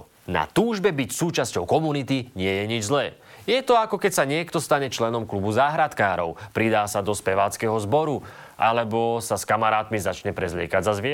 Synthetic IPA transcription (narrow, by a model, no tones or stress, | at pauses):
na̰t̪uːʒbɛbicsuːt͡ʃascɔʊkɔmunit̪iɲɪɛjɛɲid͡ʒzlɛː | jɛt̪ɔakɔkɛcsaɲɪɛkt̪ɔst̪aɲɛt͡ʃlɛnɔmklubuzaːɦɾat̪kaːɾɔʊpɾid̪aːsad̪ɔspɛʋaːt͡skɛɦɔzbɔɾu | ʔa̰lɛbɔsaskamaɾaːt̪mizat͡ʃɲɛpɾɛzlɪɛ̰kaɟzazʋɪɛ